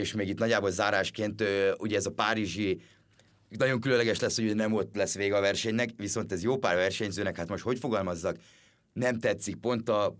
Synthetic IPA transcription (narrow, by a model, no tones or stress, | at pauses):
eːʃmeːɡit̪nɒɟːaːbolzaːɾaːʃkeːnt̪øuɟɛːzɒpaːɾiʒi | nɒɟo̞ŋkylønlɛɡɛʃlɛsːho̞ɟuɟɛnɛmo̞t̪ːlɛsʋeːɡɒvɛrʃɛɲnɛkʋiso̞nt̪ɛzjoːpa̰ːrvɛrʃɛɲzøːnɛkhaːt̪mo̞ʃt̪ho̞cfo̞ɡɒlmɒzːɒk | nɛmt̪ɛt̪sik̚po̞nt̪ɒ